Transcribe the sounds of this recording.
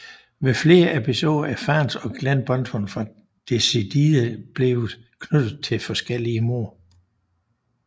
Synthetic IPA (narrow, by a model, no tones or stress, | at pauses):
ʋe̝fle̝ːɐʔe̝pʰiso̝ːðˠɐʔæfæːnsɒ̽ɡ̥lænb̥ɒ̽nt͡sʰɔnfʁɑ̈ | d̥e̝sid̥iðˠəb̥le̝ʊð̩ˠ | kʰnød̥ð̩ˠt͡sʰe̝lfɒ̽sɡ̥el̰iəmo̝ɐ